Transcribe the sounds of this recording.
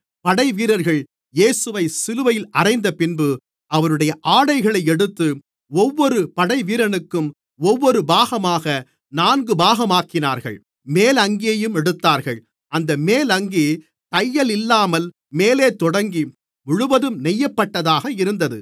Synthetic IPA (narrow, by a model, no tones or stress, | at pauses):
pɐɽɐɪʋiːɾɐɾɣɐɭ | jeːsɯʋɐɪsɪlɯʋɐjɪlɐrɐɪnd̪ɐpɪnbɯ | ɐʋɐnɯɽɐjɐʔaːɽɐɪɣɐɭɐɪɛɽɯt̪ːɯ | ɔʋːɔɾɯpɐɽɐɪʋiːɾɐnɯkːɯm | ɔʋːɔɾɯbaːɣɐmaːɣɐ | naːnɡɯbaːɣɐmaːkɪnaːɾɣɐ̰ɭ | meːlɐŋɡɪjɐjɯmɛɽɯt̪ːaːɾɣɐɭ | ɐnd̪ɐmeːlɐŋɡi | t̪ɐjːɐlɪlːaːmɐl | meːleːt̪ːɔɽɐŋɡi | ʊɻʊʋɐðɯmnɛjːɐpːɐʈːɐðaːɣɐɪɾɯnd̪ɐðɯ